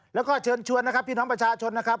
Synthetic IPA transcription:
lɛː˦˥wkɔː˥˩t͡ɕʰɤː˧nt͡ɕʰu˧ənːa˦˥kʰa˦˥pʰːiː˥˩nɔː˦˥ŋpɾa˧˩t͡ɕʰaː˧t͡ɕʰo˧nːa˦˥kʰa˦˥p̚

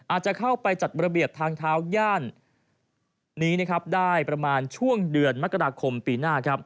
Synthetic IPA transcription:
ʔaː˨˩t̪̚t͡ɕa˨˩kʰa˥˩wpa˧jt͡ɕa˨˩t̪̚ɾa˧bi˨˩əp̚t̪ʰaː˧ŋt̪ʰaː˦˥wjaː˥˩n | iː˦˥na˦˥˩kʰɾa˦˥p̚daː˥˩jpɾa˧maː˧nt͡ɕʰu˥˩əŋdɯ˧ənma˦˥kːa˧aː˧kʰo˧mpiː˧naː˥˩kʰɾa˦˥p̚

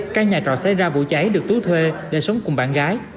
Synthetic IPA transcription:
kaː˦˥k̚ɲaː˨˩t͡ɕɔ̰˧˨nsa˧jzaː˧vṵ˧˨t͡ɕa˨˦jɗɨ˨˩ək̚t̪ɨ˨˦wt̪ʰwe˧ɗe˧˩sə˨˦wŋ͡mkʊ˨˩ŋ͡mɓaː˧˨nɣaː˨˦j

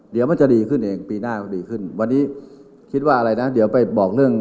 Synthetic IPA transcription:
di˨˩˦əwma˥˨˩t͡ɕa˨˩diː˧kʰɯ˥˩nʔeː˧ŋpiː˧naː˥˩diː˧kʰɯ˥˩nwa˧nːiː˦˥ | kʰi˦˥t̪̚waː˥˩ʔɾa˧jna˦˥di˩˦wpa˧˩jbɔː˨˩k̚lɯ˥˩əŋ

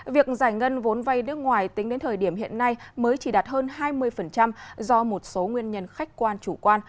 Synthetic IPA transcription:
vi˨˩ək̚zaː˧˩jŋə˧nvo˨˦nva˧jnɨ˦˥ək̚ŋwaː˨˩jt̪ï˨˦ŋ̟ɗe˨˦nt̪ʰəː˨˩ɗi˧˩əmɦḭ˧˨ənːa˧jməː˨˦jt͡ɕi˧˩ɗaː˨˩t̚həː˧nhaː˧jmɨ˧əjfə˨˩nt͡ɕa˧mzɔ˧mo˨˩t̚so˨˦ŋwi˧ənɲə˧nxa˦˥jk̟kwaː˧nt͡ɕu˧˩kwaː˧n

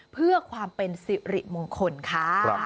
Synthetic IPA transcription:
pʰɯ˥˩ɐkʰwaː˧mpe˧nsi˨˩ɾi˨˩p̚moː˧ŋkʰo˧nkʰaː˦˥˧

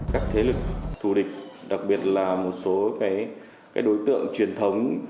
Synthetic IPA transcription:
kaː˦˥k̚t̪ʰe˨˦lɨ˨˩k̚t̪ʰu˧˩ɗï˨˩k̟̚ɗa˨˩k̚ɓi˨˩ət̚laː˨˩mo˨˩t̚so˨˦kaː˨˦j | kkaː˨˦jɗo˨˦jt̪ɨ̰˧˨əŋt͡ɕwi˨˩ənt̪ʰə˨˦wŋ͡m

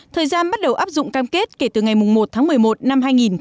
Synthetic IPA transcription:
t̪ʰəː˨˩jzaː˧nɓa˦˥t̚ɗə˨˩wʔaː˦˥p̚zʊ̰˧˨ŋ͡mkaː˧mke˦˥t̚ke˧˩t̪ɨ˨˩ŋa˨˩jmʊ˨˩ŋ͡mmo˨˩t̚t̪ʰaː˨˦ŋmɨ˨˩əjmo˨˩t̚na˧mɦaː˧jŋi˨˩n

